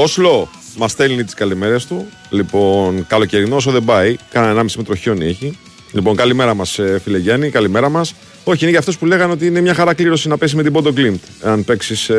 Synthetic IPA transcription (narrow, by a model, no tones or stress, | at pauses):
oslo̞ | mɐst̪elnit̪i̥skɐleme̞ɾest̪u | lipo̞nkɐlo̞ce̞ɾinos̬oðe̞bɐikɐnɐnenɐmisimet̪ɾo̞ço̞nieçi | lipo̞ŋkɐlime̞ɾɐmɐsfileʝɐnikɐlime̞ɾɐmɐs | o̞çiineʝɐft̪o̞spule̞ɣɐneo̞t̪̬iinemɲɐxɐɾɐkliɾo̞sinɐpesizme̞t̪ibo̞d̪oklimt̪eɐnpe̞ksis